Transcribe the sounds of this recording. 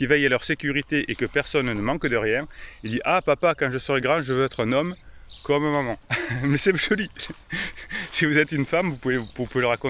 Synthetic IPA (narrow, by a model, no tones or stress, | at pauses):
kʲivɛjalœʁsekʲyʁit̪eʔekəpɛʁsɔnnəmɑ̃kd̪əʁjɛ̃ild̪iʔapapakɑ̃ʒəsəʁɛɡʁɑ̃ʒəvøɛt̪χɛ̃nɔmkɔmɛ̃mamɑ̃mɛsɛʒɔli | sivuzɛt̪ynfamvupuveuvupuveləʁakɔ̃